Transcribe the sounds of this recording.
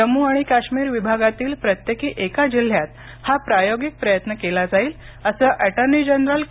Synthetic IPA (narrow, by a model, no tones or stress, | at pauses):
əmuaɽ̃ikaɕmiːɾʋibʱaɡat̪iːlpɾət̪jekiːʔekad͡ʑil̤ːjat̪ | hapɾajoɡik̚pɾəjət̪nəkelad͡zaiːl | əsəːʔɛʈəɾnid͡ʑənɾəl